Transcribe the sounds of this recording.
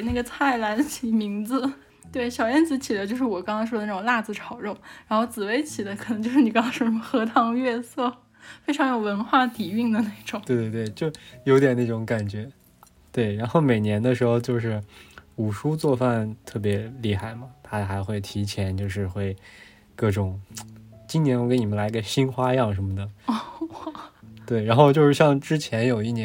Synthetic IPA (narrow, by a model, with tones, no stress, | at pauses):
na˥˩ɡə˩t͡sʰa˥˩ɪla˧˥nt͡ɕʰi˧˥˩mi˧˥ŋd͡zɹ̩˧ | t̪we˥˩ɪɕjɑ˨˩ʊjɛ˥nt͡sɹ̩˧˥t͡ɕʰi˨˩d̪ə˦t͡ɕjo˥˧ʂɻ̩˥˩wɔ˨˩kɑ˥ŋsɑ˥ɪʂ̬wɔ˥ə˧n˥˩ʈ͡ʂʊ˨˩˧la˥˧d͡zɹ̩˧˩ʈ͡ʂʰɑ˨˩ʊɻo˥˩ʊɻa˧˥nxo˥˧ʊt͡sɹ̩˨˩we˧˥ɪt͡ɕʰi˨˩d̪ə˦kʰn˧˥ŋt͡ɕjʂɻ̩˥˩ni˨˩kɑ˥ŋt͡sʰɑ˥ʂɔ˥˧˥mə˧xɤ˧˥t̪ʰɑ˧˥ŋɥɛ˥˧sɤ˥˩ | fe˥ɪʈ͡ʂʰɑ˧˥ŋjo˨˩ʊwə˧˥nxwa˥˩t̪i˨˩y˥˩ŋd̪ə˩ne˥˩ɪʈ͡ʂʊ˨˩˦we˥˧ɪwe˥˧˩t̪we˥˩ɪt͡ɕjo˥˩ʊjo˧˥jɛ˨˩na˥˩ʈ͡ʂʊ˧˥ŋka˨˩nt͡ɕɥɛ˧˥ | t̪we˥˩ɪɻa˧˥nxo˥˩ʊme˨˩ɪnjɛ˧˥nd̪ə˧ʂɻ̩˧˥xo˧ʊt͡ɕjo˥˧ʊʂɻ̩˥˩u˨˩ʂu˥t͡swɔ˥˧fa˥˧nt̪ʰɤ˥˩p̬jɛ˧˥li˥˧xa˥˩ɪmɐ˩t̪ʰa˥xa˧˥ɪxwe˥˩ɪt̪ʰi˧˥t͡ɕʰjɛ˧˥nt͡ɕjo˥˧ʊʂɻ̩˥˧xwe˥˧ɪ | kɤ˥˩ʈ͡ʂʊ˨˩˦ŋ | t͡ɕi˥njɛ˧˥n˧˥˩kɪni˨˩ə˦nla˧˥i˧˥ə˧ɕi˥nxwa˥jɑ˥˩ŋʂ̬ə˧˥nmə˧d̪ə˩ɔ˥ | t̪we˥˩ɪɻa˧˥nxo˥˧ʊt͡ɕjo˥˧ʊʂɻ̩˥˧ɕjɑ˥˧ŋʈ͡ʂɻ̩˥t͡ɕʰjɛ˧˥njo˨˩ʊi˥˩njɛ˧˥